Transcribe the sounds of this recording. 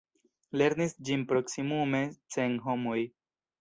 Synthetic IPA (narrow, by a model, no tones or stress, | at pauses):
le̞ɾnisd͡ʒinpɾo̞ksimume̞t͡senɦo̞moj